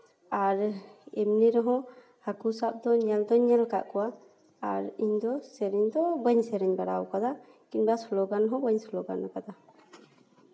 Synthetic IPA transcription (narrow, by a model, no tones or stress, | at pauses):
aɾɛmniɾɔɦɔ̃ | hakusap̚d̪ɔɲɛld̪ɔɲɛlka̰ʔkɔwaː | ɾiɲd̪ɔsɛɾɛɲd̪ɔbəɲsɛɾiɲbaɽawkad̪a | kinbasɔlɔɡanɦɔbəɲsɔlɔɡa̰nakad̪a